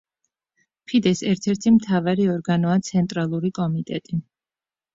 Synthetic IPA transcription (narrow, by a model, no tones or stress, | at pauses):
pʰid̪ɛsɛɾt̪ʰɛɾt̪ʰimt̪ʰavaɾiɔɾɡanɔat̪sʰɛnt̪ʼɾalˠuɾikʼɔmit̪ʼɛt̪ʼi